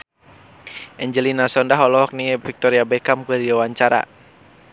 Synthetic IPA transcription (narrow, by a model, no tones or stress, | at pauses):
ʔɛɲd͡ʒəlinasɔndaɦɔlɔɦɔk̚nifik̚t̪ɔɾiabɛkamkədiawaɲt͡ʃaɾa̰